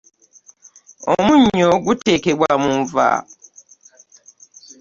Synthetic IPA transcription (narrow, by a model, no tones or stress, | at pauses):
omũɲoɡutekebwamũɱva̰